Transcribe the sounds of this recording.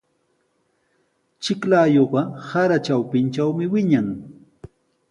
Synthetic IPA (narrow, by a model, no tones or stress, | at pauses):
t͡ʃɪklaːjoɢɑsaɾat͡ʃawpɪnt͡ʃawmɪwɪɲaŋ